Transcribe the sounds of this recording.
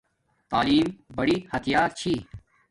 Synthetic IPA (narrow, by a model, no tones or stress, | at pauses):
t̪aːliːmbɐɽihɐt̪ʰjaːɾt͡ɕʰiː